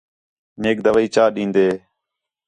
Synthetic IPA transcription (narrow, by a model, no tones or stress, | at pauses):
neːk̚d̪əʋəːiːt͡ʃaːɗĩːnd̪eː